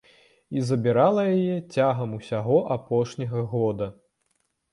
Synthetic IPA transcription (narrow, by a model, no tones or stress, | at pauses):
izɐbʲiɾalˠɐjajɛt͡sʲaɣɐmusʲaɣɔʔapɔʂnʲɐɣɐɣɔd̪ɐ